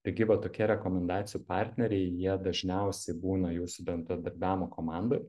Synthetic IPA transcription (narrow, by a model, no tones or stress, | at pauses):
t̪ɐɪɡʲɪʋɐt̪oːkʲiɛɾʲɛkoːmʲɛnd̪ɑːt̪sʲɪjuːpɑˑɾʲt̪ʲnʲɛɾʲɛɪjiɛd̪ɐʒʲnʲɛʊsʲɛɪbuːnɐjuːsʊbʲɛnd̪ɾɐd̪ɐɾʲbʲæːmoːkoːmɑˑnd̪oɪ